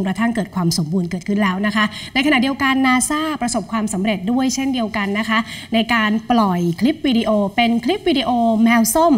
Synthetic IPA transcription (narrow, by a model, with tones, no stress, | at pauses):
ŋkɾa˧t̪ʰa˥˩ŋkɤː˨˩t̪̚kʰwaː˧mso˩˦mbuː˧nkɤː˨˩kʰɯ˥˩nlɛː˦˥wna˦˥kʰa˦˥ʔna˧jkʰa˧na˨˩di˧əwka˧nːaː˧saː˥˩pɾa˧so˨˩p̚kʰwaː˧msa˩˦mɾe˨˩t̪̚du˥˩əjt͡ɕʰe˥˩ndi˧əwka˧nːa˦˥kʰa˦˥ʔna˧jkaː˧nplɔ˨˩jkʰli˦˥p̚wiː˧di˧ʔoː˧pe˧nkʰli˦˥p̚wiː˧di˧ʔoː˧mɛː˧wso˥˩m